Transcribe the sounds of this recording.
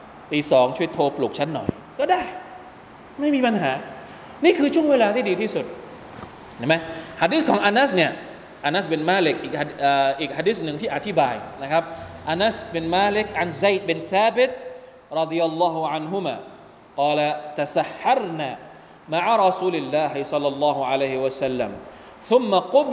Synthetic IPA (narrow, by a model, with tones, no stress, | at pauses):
t̪iː˧sɔː˩˦ŋt͡ɕʰu˥˩ə˨jt̪ʰoː˧plu˨˩k̚t͡ɕʰa˦˥nːɔ̰˨˩j | kɔː˥˩daː˥˩j | ma˥˩jmiː˧pa˧nɦaː˩˦ | niː˥˩kʰɯː˧t͡ɕʰu˥˩weː˧laː˧t̪ʰiː˥˩diː˧t̪ʰiː˥˩su˨˩t̪̚ | t͡ɕʰa˥˩ma˦˥jhaː˧diː˦˥s̚kʰɔː˦ŋʔa˧na˦˥sni˥˩ɐ | ʔa˧na˦˥sbe˧nmaː˦˥le˦˥k̚ʔiː˨˩k̚ha˧ʔaː˨˩ʔiː˨k̚haː˧diː˦˥s̬nɯ˨ŋt̪ʰiː˥˩ʔa˨˩t̪ʰi˦˥baː˧jna˦˥kʰa˦˥p̚ʔa˧na˦˥sbe˧nmaː˧le˦k̚ʕa˧nza˧˩jt̪̚be˧nθaː˦be˦t̪̚ | ɾˤɑ˦d̪i˧ja˧lːɑː˦ɦu˧ʕa˧nɦu˦ma̰ː˨ | qɑː˧la˧t̪a˨sa˨˧ħːɑ˦˥ɾnaː˨˩ | ma˧ʕa˧ɾˤɑ˧suː˧li˧˨lːaː˧ɦi˨sɑ˧lːɑ˨lːɑː˥ɦu˨ʕa˧la˦˥jhi˧wa˧sa˧lːa̰˨m | θu˧˦mːa˨qʊ˦m